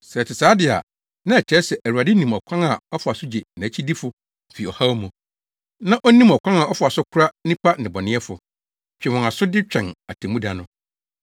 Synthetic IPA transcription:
sɛ˨tʰɪ˨saː˨˦dɪ˨a̰˨ | nã˦ɛ˨t͡ɕʰɛ˨˦sɛ˨ʔæ˨u˨a˨dɪ˦nĩ˨mɔ˨kʷʰã˦ŋa˨ɔ˦fʊ˨a˨sʊ˦d͡ʑe˨nã˨˦t͡ɕʰi˦di˦fʊ˦ | m̩˨fi˨ɔ˨ha˦wmũ˨ | nã˦ʔɔ˦nĩ˦mɔ˨kʷʰã˦ŋa˨ʔɔ˦fʊ˨a˨sʊ˦kʰʊ˦ɾa˦nĩ˦pʰa˦n̩˨ɪ̃˨bɔ˨nɪ̃˦ɛ˦fʊ˨ | t͡ɕᶣɛ˨wɔ̃˨na˨sʊ˦dɪ˦t͡ɕᶣɛ̃˨na˨tʰẽ˨mũ˦da˨nʊ̃˨

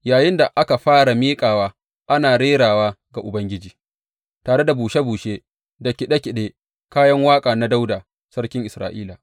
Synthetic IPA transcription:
jaː˨jɪ˦nda˨ʔa˦ka˨ɸaː˦ɽa˨miː˦kʼaː˨waː˦ | ʔa˦naː˨ɽeː˦ɽaː˨waː˦ɡa˨ʔʊ˨bɐ˦ŋɡʲɪ˦d͡ʒiː˨ | taː˨ɽe˦da˨buː˨ʃa˦buː˨ʃeː˦ | da˨kʲɪ˨ɗa˦kʲɪ˨ɗeː˦ | kaː˦jɐ˦ŋwaː˦kʼaː˨na˦da˦wdaː˨ | sɐ˦ɽkʲɪ˦ŋʔɪ˨sɾa̰ː˨ʔiː˦la˨

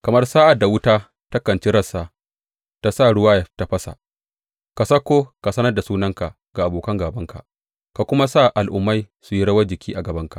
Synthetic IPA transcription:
kɐ˨mɐ˦rsaː˦ʔa˨da˨wʊ˦taː˦ | ta˦kɐ˨nt͡ʃi˦ɾɐ˦˨saː˨ | ta˦sa˦˨ɽʊ˦waː˦jɐ˨ta˨ɸɐ˦sa̰˨ | ka˨sɐ˦kʷːoː˦ka˨sɐ˦nɐ˦rda˨suː˦nɐ˦ŋka˨ | ɡ̥a˨ʔa˨boː˨kɐ˦ŋɡaː˨bɐ˦ŋka̰˨ʔ | ka˨kʷʊ˦ma˦sa˦˨ʔa˨lʔʊ˨mːa˦j | su˨ji˦ɽɐ˦wɐ˦d͡ʒɪ˨kʲiː˦ʔa˨ɡɐ˨bɐ˦ŋka˨ʔ

